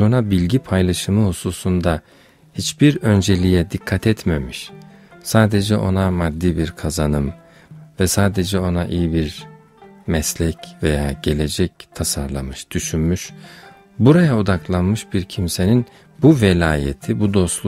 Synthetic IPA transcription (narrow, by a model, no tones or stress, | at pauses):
unabilʲɟipʰajlˠaʃɯmɯhususund̪a | hit͡ʃbiɾø̞nd͡ʒe̞lʲijɛd̪ikʰːat̪ʰɛt̪memiʃsaːd̪e̞d͡ʒɛʔo̞namad̪ːiːbiɾkʰazanɯm | vɛsaːd̪e̞d͡ʒɛo̞naʔijibiɾ | mɛslʲɛcve̞jaːɟe̞lʲe̞d͡ʒɛc̚t̪ʰasaɾlˠa̰mɯʃd̪̥yʃynmyʃ | buɾajaod̪aklˠanmɯʃbiɾcʰimse̞nin | buvelʲaːjḛt̪ʰibud̪o̞slˠ